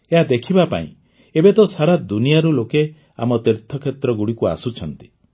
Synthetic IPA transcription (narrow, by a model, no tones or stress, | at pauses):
eɦad̪ekʰibapa̰ḭ̃ | ebet̪ɔsaɾad̪unijaɾuloke | a̰mɔt̪iɾt̪ʰɔkʰet̪ɾɔɡuɽikua̰sut͡ʃʰɔnt̪i̥